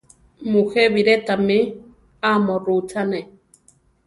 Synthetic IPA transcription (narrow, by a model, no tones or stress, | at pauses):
muheβiɾet̪ami | amoɾut͡ʃane